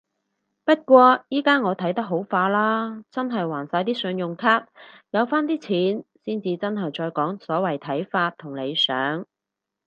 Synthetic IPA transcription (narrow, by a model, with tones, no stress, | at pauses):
pɐ˥t̚kʷɔː˧jiː˥kaː˥ŋɔː˨˧t̪ʰɐ˨˥jt̪ɐ˥k̚ɦo˨˥wfaː˧laː˥t͡sɐ˥nɦɐ˨jwaː˨˩nsaː˧jt̪iː˥sɵ˨˧njʊ˨˩ŋkʰaː˥t̚jɐ˨˧wfaː˥nt̪iː˥t͡sʰiː˨˥nsiː˥nt͡siː˧t͡sɐ˥nɦɐ˨jt͡ʃɔː˧jkɔː˨˥ŋsɔː˨˥wɐ˨˩jt̪ʰɐ˨˥jfaː˧t̪ʰːʊ˨˩ŋle˨˧jsœː˨˥ŋ